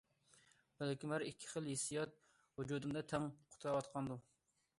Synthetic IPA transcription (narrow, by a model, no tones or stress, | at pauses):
bælkʲymæɾikʲʰːɪ̥χəlˠjesijɑt̪̚ | ud͡ʒud̪ɨmd̪ɛt̪ʰɛŋqʰʊ̥t̪ʰɾɑwɑt̪qʰɑnd̪u